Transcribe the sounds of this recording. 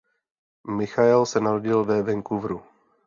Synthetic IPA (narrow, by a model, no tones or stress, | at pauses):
mɪxaɛlsɛnaɾoɟɪlvɛvɛŋkuvɾu